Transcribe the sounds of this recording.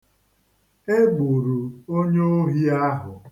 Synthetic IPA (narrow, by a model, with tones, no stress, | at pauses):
e˦ɡ͡bu˨ɾu˨o˦ɲe˦o˦ɦi˦a˦ɦʊ˨